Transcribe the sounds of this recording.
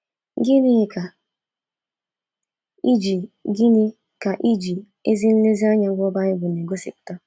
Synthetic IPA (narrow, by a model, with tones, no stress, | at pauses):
ɡɪ˦ni˦ɪ˦ka˨ | i˦d͡ʒi˨ɡi˦ni˦ | ka˨ʔi˦d͡ʒi˨ | e˦zi˦n̩˦le˦zi˦a˦ɲa˦ɡʷɔ˦ba˦ɲɪ˦ɡʷʊ˨ne˨ɡo˦sḭ˨k̚ʊ̥˨ta˦